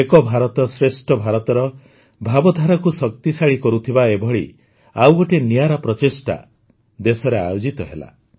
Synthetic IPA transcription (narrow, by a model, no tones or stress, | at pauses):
ekɔbʱaɾɔt̪ɔsɾesʈʰɔbʱaɾɔt̪ɔɾɔ | bʱabɔd̪ʱaɾakusɔk̚t̪isaɭikɔɾut̪ʰibaebʱɔɭi | awɡɔʈenijaɾɔpɾɔt͡ʃisʈa̰ | d̪esɔɾea̰jod͡ʒit̪ɔɦela̰